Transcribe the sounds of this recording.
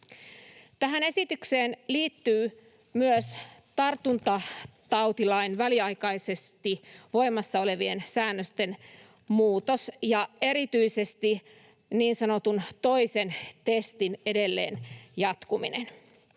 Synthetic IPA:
t̪æɦæne̞sit̪ykseːnliːt̪ːyː | myøst̪ɑrt̪unt̪ɑt̪ɑwt̪ilɑinʋæliɑjkɑjse̞st̪iʋo̞jmɑsːɑo̞le̞ʋie̞nsæːnːøst̪e̞n | muːt̪osjɑe̞ɾit̪yise̞st̪i | niːnsɑno̞t̪unt̪o̞ise̞nt̪est̪ine̞de̞lːḛːnjɑt̪kumḭnḛn

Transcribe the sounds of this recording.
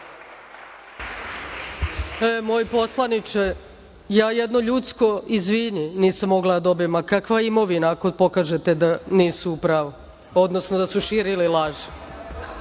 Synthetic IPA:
emojipo̞slˠanit͡ʃe | jaːjed̪no̞ʎut̪sko̞izʋiɲiniːsamːo̞ɡlad̪ad̪o̞bimakakʋaimo̞ʋinaːkopo̞kaːʒet̪ed̪aniːsuupɾaʋo | o̞d̪no̞snod̪asuʃiːɾililˠaʒi̥

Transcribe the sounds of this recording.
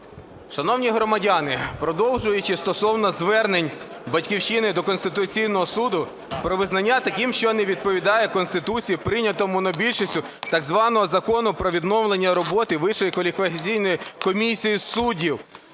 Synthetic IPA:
ʃɐnɔwnʲiɦɾɔmɐdʲanɪpɾɔd̪ɔwʒʊjʊt͡ʃɪst̪ɔsɔwnɐzʋɛrnenʲ | bɐtʲkʲiwʃt͡ʃɪnɪd̪ɔkɔnst̪ɪt̪ʊt͡sʲijnɔɦɔsud̪ʊ | pɾɔʋɪznɐnʲːat̪ɐkʲimʃt͡ʃɔnɛʋʲid̪̚pɔʋʲid̪ɑjɛkɔnst̪ɪt̪ut͡sʲijipɾɪnʲɐt̪ɔmʊnɔbʲilʲʃɔsʲtʲʊ | t̪ɐɡzʋɑnɔɦɔzɐkɔnʊpɾɔʋʲid̪nɔwlˠenʲːɐɾɔbɔt̪ɪʋɪʃɔjikʋɐlʲɪkʋɐt͡sʲijnɔjikɔmʲisʲijisudʲiw

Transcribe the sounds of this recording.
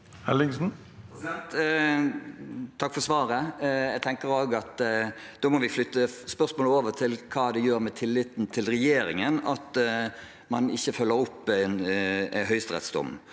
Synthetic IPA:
hælɪŋsn̩ | t̪ | t̪ʰɑkːfɔʁsʋɑːɾəɛɡt̪ʰɛŋkəɾoːɡɑt̪ | d̪oːmɔʋɪflʏt̪ːəspœʁsmoːləoːʋəɾt̪ʰɪlkʰɑːd̪ɛjøːɾmɛt̪ʰɪlːɪt̪n̩t̪ʰɪlɾɛjeːɾɪŋənɑt̪ | mɑnɪçːəfœlːəɾʊpːænɦœʏst̪ʁɛ̰t̪sd̪ʊ̰mː

